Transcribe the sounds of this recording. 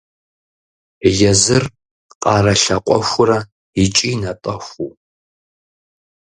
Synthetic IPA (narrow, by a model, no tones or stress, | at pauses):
jɛzɨr | qʼɑːrɐɬɐqʷʼɔ̰xʷʊɾɐ | ɪt͡ʃʼiːnɐtʼɐxʷu